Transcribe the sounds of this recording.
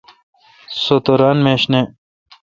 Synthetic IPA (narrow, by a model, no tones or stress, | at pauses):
sot̪oɾaːnmeːɕne